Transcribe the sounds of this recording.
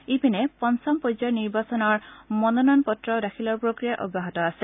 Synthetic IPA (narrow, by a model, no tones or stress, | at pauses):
ipinɛpɔnsɔmpɔzɔniɹbasɔnɔɹmɔnɔnɔnpɔtɹɔdaxʰilɔɹpɹokɹijaʔɔ̰bːaɦɔtɔasɛ